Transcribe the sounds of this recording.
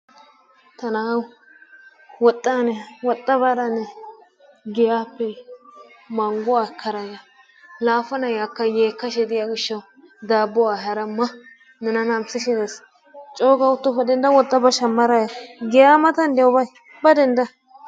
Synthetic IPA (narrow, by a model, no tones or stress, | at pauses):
t̪ɐnaː | wɔt̪ʼːanɛwɔt̪ʼːɐbɐɾɐnɛ | ɡɛjaːpːɛ | mɐŋɡʊwaːkʰːɐɾɐjɐ | laːfɐnɐjakːɐjeːkːɐʃɛd̪ɪjaɡɪʃːɐw | d̪aːbːɔwaːɦɐɾɐmːɐ | nɛnɐnɐmsɪʃɪd̪es | t͡ʃʼoːɡɐʊt̪ːɔpːɛd̪ɛnd̪ɐwɔt̪ʼːɐbɐʃɐmːɐɾɐjaɡɛjaːmɐt̪ɐnd̪ɛʊbɐj | bɐd̪ɛnd̪ɐ